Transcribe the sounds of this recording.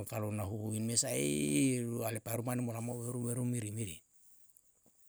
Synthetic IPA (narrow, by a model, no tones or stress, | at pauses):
kalonaɦuuinmesaiɾualepaɾumanimolamaweɾuweɾumiɾimiɾḭ